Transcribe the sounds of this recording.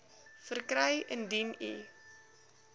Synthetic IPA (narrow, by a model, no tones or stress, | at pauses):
fərkɾəjəndinḭ